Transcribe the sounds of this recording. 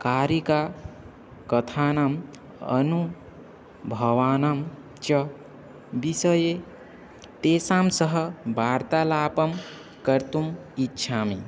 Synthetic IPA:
kaːɾika | kət̪ʰanam | ə̰nu | bʱɐʋaːnam | t͡ʃʌ | bisəje | t̪eːsamsəɦʌbaːɾt̪alaːpəm | kəɾt̪umitːʃʰamḭ

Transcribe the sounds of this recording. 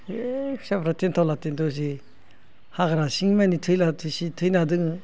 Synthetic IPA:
e̥sapɾatentʰawlatendos̬i | haɡaɾasiŋmenitʰɯjlatʰɯsitʰɯjnadɯŋɯ

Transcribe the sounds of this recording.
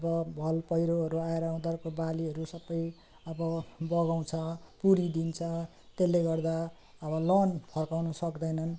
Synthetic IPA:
ʌbʌbʱʌlpʌjɾoɦʌɾuaeɾʌw̃d̪ʌrkobaliɦʌɾusʌbːʌj | ʌbʌbʌɡaw̃t͡sʰʌpuɾid̪int͡sʰʌ | t̪elːeɡʌrd̪a | ʌbʌlʌnpʰʌrkawnʌsʌkd̪ʌjnʌn

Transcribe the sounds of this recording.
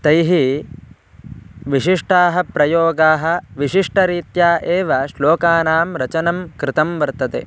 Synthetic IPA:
t̪ɐjɦi | ʋiʂiʂʈaːɦɐpɾɐjoːɡaːɦɐ̆ʋiʂiʂʈɐɾiːt̪jaːʔeːʋɐʃloːkaːnaːmɾɐt͡ʃɐnɐmkɾɪt̪ɐmʋɐɾt̪ɐt̪ḛ

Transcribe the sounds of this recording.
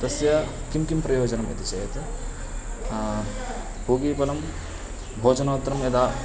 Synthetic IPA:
t̪ɐsjɐkimkimpɾɐjoːd͡ʒɐnɐmɐ̰t̪it͡ʃɐjɐt̪ | poːɡipɐnɐm | bʱoːt͡ʃɐnɐːt̪ɾɐmjɐd̪aː

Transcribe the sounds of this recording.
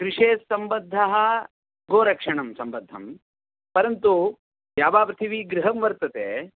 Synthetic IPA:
kɾiʂeːsɐmbɐd̪ʱːɐɦɐ | ɡoːɾɐkʂɐɳɐmsɐmbɐd̪ʱːɐm | pɐɾɐnt̪u | jjaːbaːpɾɐt̪ʰiʋiɡɾiɦɐmʋɐɾt̪ɐt̪eː

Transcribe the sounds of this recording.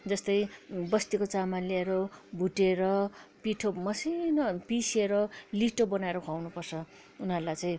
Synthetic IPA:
d͡zʌst̪ʌjbʌst̪ikot͡samaleɾobʱuʈeɾʌpiʈʰomʌsinʌpiseɾʌliʈobʌnaeɾokʰawnupʌrt͡sʰʌ | unɦʌɾulajt͡sãj̃

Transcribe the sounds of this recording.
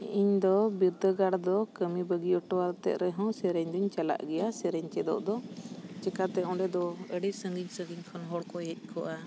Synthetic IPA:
iɲd̪ɔbiɾd̪əɡaɽd̪ɔkəmibəɡiɔʈɔwaɾt̪ɛ̰ʔ̪̚ɾɛɦɔ̃sɛɾɛɲd̪ɔɲt͡ʃala̰ʔɡɛjasɛɾəɲt͡ʃɛd̪ɔ̰ʔd̪ɔt͡ʃɛkat̪ɛɔ̃ɖɛd̪ɔəɽisə̃ŋɡiɲsə̃ŋɡiɲkʰɔnɦɔɽkɔɦɛc̪̚ˀkʰɔʔa

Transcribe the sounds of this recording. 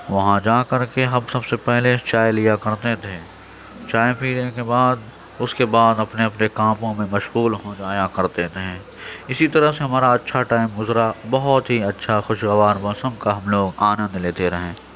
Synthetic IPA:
ʋɐɦãd͡ʒaːkɐɾkeɦɐmsɐbsepɛɦlet͡ʃaːjlijakɐɾt̪et̪ʰẽː | t͡ʃaːjpʰiːɾẽkebaːd̪ | ʊskebaːd̪ɐpneɐpnekãːpõmẽmɐʃɣuːlɦõːd͡ʒaːjakɐɾt̪et̪ʰẽ | ɪsit̪ɐɾəɦseɦɐmaːɾaɐtːʃʰaʈaːɪmɡʊzɾabɐɦɔt̪ɦiɐtːʃʰaxʊʃɣɐʋaːɾbɐsə̃mkaɦɐmloːɡaːnə̃nd̪leːt̪eɾɐɦẽː

